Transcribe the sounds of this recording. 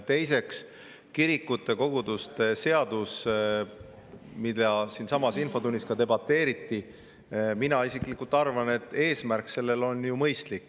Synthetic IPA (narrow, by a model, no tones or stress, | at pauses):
t̪e̞jse̞ks | kiɾikːut̪ːˑe̞ko̞ɡ̥ud̪ust̪e̞se̞ɑd̪̥us | mid̪̥ɑsinsɑmɑsinfo̞t̪unʲːiskɑt̪e̞bɑt̪ːˑe̞ːɾit̪ːˑi | minɑisikˑlikːˑult̪ːˑɑrvɑne̞t̪ːˑe̞ːsmærkse̞lːe̞lo̞njumɤjst̪likː